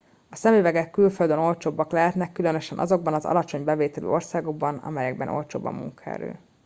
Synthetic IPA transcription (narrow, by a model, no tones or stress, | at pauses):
ɒsɛmivɛɡɛkːylføld̪øno̞lt͡ʃoːbːɒklɛɦɛt̪nɛkːylønøʃɛnʔɒ̰zo̞ɡ̚bɒnɒzɒ̰lɒt͡ʃo̞ɲbɛveːt̪ɛlø̰ːo̞rsaːɡo̞ɡ̚bɒnɒ̰mɛjɛɡ̚bɛ̰nʔo̞̰lt͡ʃo̰ːbːɒ̰mːṵŋkɒɛ̰ɾø̰ː